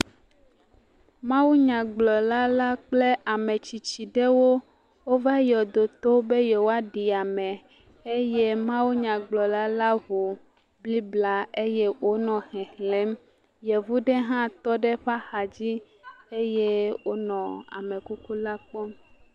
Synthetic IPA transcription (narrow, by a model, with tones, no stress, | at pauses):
mã˦wu˦ɲã˨ɡ͡blɔ˨la˦la˦k͡ple˦ʔa˨me˨t͡ɕi˨t͡ɕi˨ɖe˦wo˦ | wo˦va˦jɔ˨d̪o˨t̪o˦be˦jɛ˨wo˦a˦ɖi˨a˨mɛ˨ | e˦je˦mã˦wu˦ɲã˨ɡ͡blɔ˨la˦la˦vu˨ | bli˦bla˦e˦je˦wʔo˦nɔ̃˨xɛ̃˨hlɛ̃˦m | jɛ˨vu˦ɖɛ˦ɦã˦t̪ɔ˦ɖe˦ɸa˦xa˨d͡ʑi˦ | e˦je˦wo˦nɔ̃˨a̰˨mẽ˨ku˦ku˦la˦k͡pɔ˦m